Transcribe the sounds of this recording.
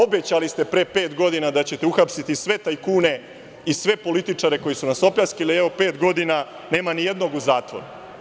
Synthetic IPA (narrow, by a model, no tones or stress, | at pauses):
o̞bet͡ɕalist̪e̞pɾepe̞ːt̪ɡo̞d̪inad̪at͡ɕe̞t̪euxapsit̪isʋe̞t̪aikuːne̞ | isʋe̞po̞lit̪it͡ʂaɾe̞ko̞jisunaso̞pʎaskilieʋo̞pe̞ːt̪ɡo̞d̪ina | ne̞ːmanije̞d̪no̞ɡuzaːt̪ʋo̞̰ɾu